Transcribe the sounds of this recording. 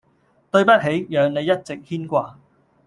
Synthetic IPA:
t̪ɵ˧ɥpɐ˥t̚ɦe˨˥jjœː˨˧ŋne˨˧jːɐ˥t̚t͡sɪ˨k̚hiː˥nkʷaː˧

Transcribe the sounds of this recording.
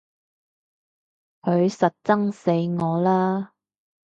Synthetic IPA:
hɵ˨˧ɥsɐ˨t̚t͡sɐ˥ŋse˨˧jŋɔː˨˧laː˥

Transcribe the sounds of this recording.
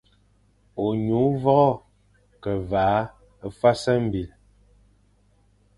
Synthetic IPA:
o˨ɲu˨˦vɔ˦ɣɔ˦˨ | kɛ˨vaː˨˦ | fa˦sɛ˦m̩˨bi˨l

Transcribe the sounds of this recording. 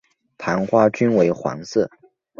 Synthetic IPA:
t̪ʰa˧˥nxwa˥t͡ɕy˥nwe˧˥ɪxwɑ̰˧˥ŋsɤ˥˩

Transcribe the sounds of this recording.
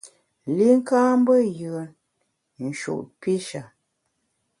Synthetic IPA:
li˦ŋ̩˦kaː˦m̩˦bə˦jɯ˨n | n̩˨ʃṵ˨ʔt̚pi˦ʃa˨

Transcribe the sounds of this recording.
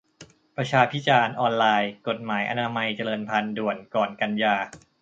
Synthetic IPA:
pɾa˧t͡ɕʰaː˧pʰi˦˥t͡ɕaː˧nʔɔː˧nlaː˧jko˨˩t̪̚maː˩˦jʔa̰˧naː˧ma˧jt͡ɕa˧lɤː˧npʰa˧ndu˨˩ənkɔː˨˩nka˧njaː˧

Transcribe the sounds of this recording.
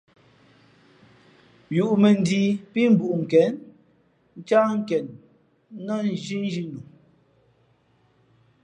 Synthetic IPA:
ju˨ʔme˨n˨di˨pi˦m̩˨bu˨ʔŋ̩˨kɛ˨˦n | n̩˦t͡ʃa˦ŋ̩˦kɛ˨n | nɔ˦n˨d͡ʒi˦n˦d͡ʒi˦nu˨

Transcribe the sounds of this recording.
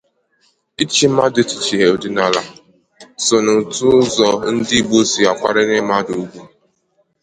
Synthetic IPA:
i˦t͡ʃi˦ma˦dɪ˦ti̥˨t͡ʃi˨ɦe˨o˨di˦na˦la̰˨ | sʊ˨nʊ˨tʊ˦zɔ˦n̩˦dɪ˦i˦bo˦si˨a˨kʷa˦ɾɪ˦nɪ˦ma˦du˨˦ɡʷu˦

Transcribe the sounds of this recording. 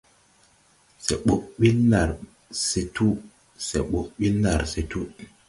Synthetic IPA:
se˨ɓo˨ʔɓi˦lnːa˨ɾ | se˨tu˦ | sḛ˨ɓo˨ʔɓiː˦a˨ɾse˨tu˦

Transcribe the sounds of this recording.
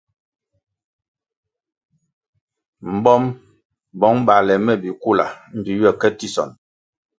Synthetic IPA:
m̩˨bɔ˦m | bɔ˨˦ŋba˨lɛ˨mɛ˦˨bi˨ku˦la̰˨m̩˦bi˨ɥɛ˦˨kɛ˦ti˦˨sɔ̰˨n

